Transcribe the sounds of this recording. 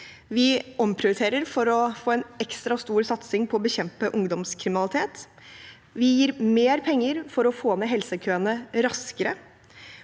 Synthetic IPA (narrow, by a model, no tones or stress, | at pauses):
ʋɪɔmpʰɾɪʊɾt̪ʰeːɾəɾfɔɾɔfoːɛːnɛkst̪ɾɑst̪uːɾsɑt̪sɪŋpʰɔɔbəçɛmpəʔʊŋd̪ɔmskʰɾɪmɪnɑlɪt̪ʰeːt̪ | ʋɪjiːɾmeːɾpʰɛŋːəɾfɔɾɔfoːneɦɛlsəkʰøːənəɾɑskəɾə